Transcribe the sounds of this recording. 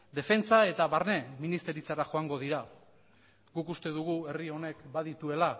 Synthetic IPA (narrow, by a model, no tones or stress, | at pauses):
d̪e̞fe̞nt͡sae̞t̪aβarne̞minist̪e̞ɾit͡saɾaʝo̞aŋɡo̞ðiɾa | ɡukust̪e̞ðuɣ̞ue̞rio̞ne̞kbaðit̪ue̞la